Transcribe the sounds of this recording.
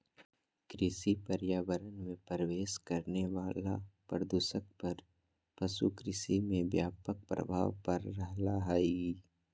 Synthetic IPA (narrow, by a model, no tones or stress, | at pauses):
kɾɪsipɐɾjaːʋəɾənmẽpəɾəʋeːʃkɐɾneʋaːlapɾəd̪uːsək̚pɐɾ | pɐsṵkɾɪsimẽʋjaːpək̚pɾɐ̰bʱaːʋpɐɾːɐɦlaɦaːii